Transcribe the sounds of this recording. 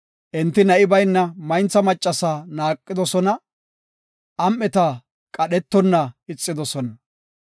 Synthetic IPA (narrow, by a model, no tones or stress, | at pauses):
ʔɪnt̪ːɪnɐʔɪbɐjnːɐmɐjnt͡sːɐmɐt͡ʃʼːɐsaːnaːkʼːɪd̪ɔsɔnɐ | ʔɐmːɛt̪ɐ | kʼɐɗɛt̪ːɔnːɐɪt͡sʼːɪd̪ɔsɔnɐ